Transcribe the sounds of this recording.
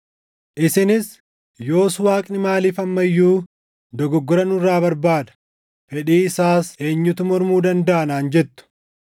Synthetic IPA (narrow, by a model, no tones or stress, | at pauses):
ʔɪsɪnɪs | jo̞ːswaːkʼnɪmaːliːfɐmːɐjːuː | d̪ɔɡɔɡːɔɾɐnʊrːaːbɐɾbaːd̪ɐ̥ | fɛᶑiːɪsaːse̞ːɲːʊt̪ʊmɔɾmuːd̪ɐnd̪ɐʔɐnaːnd͡ʒɛt̪ːʊ̥